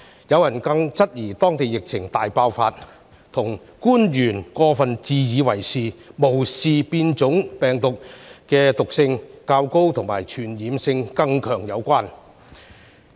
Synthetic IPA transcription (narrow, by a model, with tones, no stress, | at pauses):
jɐ˨˧wjɐ˨˩nkɐ˧ŋt͡sɐ˥t̚jiː˨˩t̪ɔː˥ŋt̪e˨jɪ˨k̚t͡sʰɪ˨˩ŋt̪aː˨jpaː˧wfaː˧t̚ | t̪ʰʊ˨˩ŋ | kuː˥njyː˨˩nkɔː˧fɐ˨nt͡siː˨˧jiː˨˧wɐ˨˩jsiː˨mo˨˩wsiː˨piː˧nt͡sʊ˨˥ŋpɛː˨˩ŋt̪ʊ˨k̚kɛː˧t̪ʊ˨k̚sɪ˧ŋkaː˧wko˥wt̪ʰʊ˨˩ŋmaː˨˩jt͡ʃʰyː˨˩njiː˨˥msɪ˧ŋkɐ˧ŋkʰœː˨˩ŋjɐ˨˧wkʷaː˥n